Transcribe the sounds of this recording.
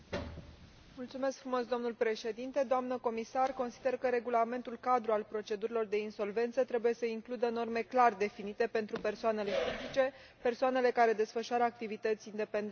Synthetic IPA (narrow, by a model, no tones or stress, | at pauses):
mult̪sume̞skfɾumo̞sd̪o̞mnulʲpɾe̞ʃe̞d̪int̪e̞d̪oamnəko̞misarko̞nsid̪e̞rkəɾe̞ɡulame̞nt̪ulkad̪ɾualpɾo̞t͡ʃe̞d̪uɾilo̞rd̪e̞inso̞lve̞nt̪sət̪ɾe̞buje̞səiŋklud̪əno̞rme̞klard̪e̞finit̪e̞pe̞nt̪ɾupe̞rsoane̞le̞fid͡ʒit͡ʃe̞ | pe̞rsoane̞le̞kaɾe̞d̪e̞sfəʃuaɾəak̚t̪ivit̪ət̪sʲind̪e̞pend̪e